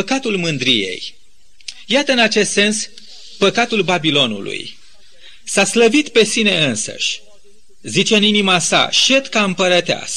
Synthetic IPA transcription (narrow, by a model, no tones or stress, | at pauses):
pəkat̪ulmɨnd̪ɾijḛj | jat̪əɨnat͡ʃe̞st̪se̞ns | pəkat̪ulbabilo̞nṵlṵj | sasləvit̪pe̞sine̞ɨnsə̰ʃʲ | zit͡ʃe̞ɨninimasa̰ʃe̞t̪kaɨmpəɾət̪ea̰s